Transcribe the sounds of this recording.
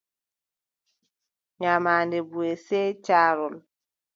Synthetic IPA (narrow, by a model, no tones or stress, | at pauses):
ɲamaːndɛbueseːt͡ʃaːɾɔl